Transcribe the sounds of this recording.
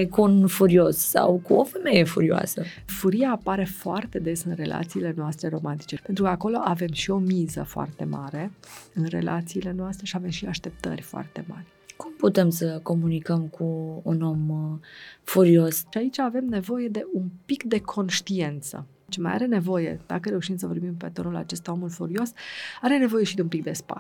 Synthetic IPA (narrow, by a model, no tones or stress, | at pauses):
kuunfuɾio̞ssa̰wkuofe̞me̞je̞fṵɾioa̰sə | fuɾijaːpaɾe̞foart̪e̞d̪e̞sɨnre̞lʔa̰t̪siːle̞noast̪ɾe̞ɾo̞mant̪i̥t͡ʃe̞pent̪ɾukəako̞lo̞ʔave̞mʃio̞mizə̰foa̰rt̪e̞̰ma̰ɾe̞ɨnre̞̰lʔa̰t̪siːle̞noast̪ɾe̞ʃiave̞mʃiaʃt̪e̞p̚t̪ə̰rʲfoa̰rt̪e̞̰ma̰rʲ | kumput̪e̞msəko̞munikəmkʰuuno̞m | fuɾiosʃiait͡ʃaːve̞mne̞vo̞je̞d̪e̞ʔunpikd̪e̞kʰo̞nʃt̪ie̞nt̪sə̰ | t͡ʃma̰ja̰ɾe̞ne̞vo̞je̞̰d̪̥a̰kəɾe̞uʃimsəvo̞rbimpe̞t̪o̞nula̰t͡ʃe̞st̪ao̞mulfuɾio̞saɾe̞ne̞vo̞je̞ʃid̪eunpik̚d̪e̞spa̰